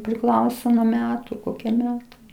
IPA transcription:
pʲrʲɪˈklˠɐʊsoː nuɔ ˈmʲæːtʊ ˈkoːkʲiɛ ˈmʲæːtɐɪ

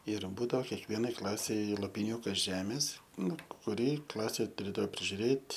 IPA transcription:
ɪr ˈbuːdɐoː kʲɛkˈʋʲiɛnɐɪ ˈklˠɑːsʲɛɪ lˠoːpʲɪˈnʲuːkɐs ˈʒʲæːmʲeːs ˈnʊ kʊˈrʲɪ ˈklˠɑːsʲeː tʊˈrʲeːdɐʋoː pʲrʲɪʒʲʊˈrʲeːtʲ

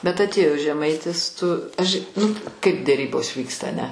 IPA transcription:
bʲɛt ɐtʲˈeːjoː ʒʲɛˈmɐɪtʲɪs tʊ ɐʃʲ nʊ kɐɪp dʲɛˈrʲiːboːs ˈʋʲiːkstɐ ɐˈnʲɛ

